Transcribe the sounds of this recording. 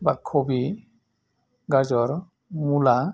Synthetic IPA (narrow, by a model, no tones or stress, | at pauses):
bakʰːobi | ɡad͡ʒɔɾ | mula